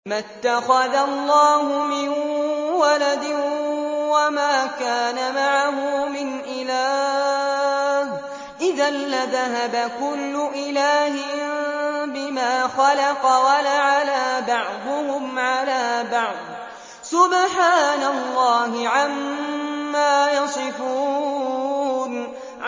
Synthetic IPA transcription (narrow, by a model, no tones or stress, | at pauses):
mat̪ːaxɑðalˤːɑːɦʊmɪnwalad̪ɪ | wamaːkaːnamaʕaɦʊmɪnʔɪlaː | h | ʔɪðanːaðaɦabakʊlːʊʔɪlaːhɪ | bɪmaːxɑlɑqɑwalaʕalaːbɑʕd̪ˤʊhʊmʕalaːbɑʕd̪ˤ | sʊbħaːnalˤːɑːhɪʕamː | aːjɑsˤɨfuː | n